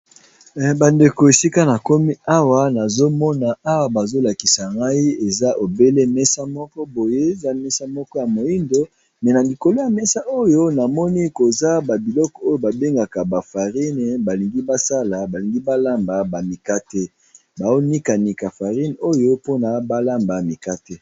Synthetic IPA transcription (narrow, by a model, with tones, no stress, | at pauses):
ba˨nde˨ko˨e˨si˦ka˦na˨ko˦mi˦a˦wa˨na˨zo˦mɔ˦na˨a˦wa˨ba˨zo˦la˨ki˨sa˨ŋɡa˦i˦e˨za˦ʔo˨be˦le˦mɛ˦sa˦mɔ˦kɔ˦bo˨je˦za˦mɛ˦sa˦mɔ˦kɔ˦ja˨mo˨i˦ndo˦ | mɛ˨na˨li˨ko˨lo˦ja˨mɛ˦sa˦ʔo˦jo˦na˨mɔ˦ni˦ko˨za˦ba˨bi˨lɔ˦kɔ˨o˦jo˦ba˨be˦ŋɡa˨ka˨ba˨fa˨ʁi˦n˨ba˨li˨ŋɡi˦ba˦sa˦la˨ba˨li˨ŋɡi˦ba˦la˦mba˨ba˨mi˨ka˦te˦ | ba˨zo˦ni˦ka˨ni˨ka˨fa˨ʁi˦no˦jo˦po˦na˨ba˦la˦mba˨mi˨ka˦te˦